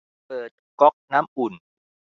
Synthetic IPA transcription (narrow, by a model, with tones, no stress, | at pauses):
pɤː˨˩t̪̚kɔ˦˥k̚naː˦˥mʔu˨˩n